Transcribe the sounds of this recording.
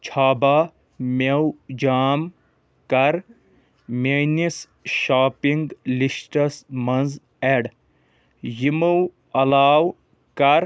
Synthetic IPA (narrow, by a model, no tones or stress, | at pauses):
t͡ʃʰaːba | mewd͡ʒaːm | kɐɾ | mʲenis | ʃaːpiŋɡlisʈɐsmɐnz | eɖ | jimuw | ɐlaːw | kɐɾ